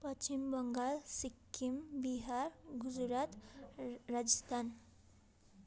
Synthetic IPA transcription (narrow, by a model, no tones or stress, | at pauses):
pət͡ʃimbəŋɡalsikːimbiɦaɾɡud͡ʒɾat̪ | ɾad͡ʒəst̪ʰan